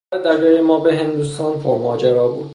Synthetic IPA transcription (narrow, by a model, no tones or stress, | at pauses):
ed̪æɡiːɾejemɒːbeɦend̪uːst̪ɒːnpʰoɾmɒːd͡ʒeɾɒːbṵːd̪